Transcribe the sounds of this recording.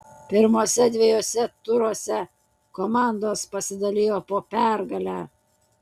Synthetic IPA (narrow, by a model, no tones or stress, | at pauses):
pʲɪɾmoːsʲɛd̪ʲʋʲeɛjoːsʲɛt̪ʊɾoːsʲɛ | koːmɑˑnd̪oːspɐsʲɪd̪ɐlʲeːjoːpoːpʲæˑɾɡɐlʲæː